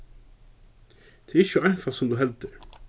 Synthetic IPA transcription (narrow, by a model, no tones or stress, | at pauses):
t̪ʰɪɾɪt͡ɕːʊajnfasʊmt̪uɦɛlt̪ɪ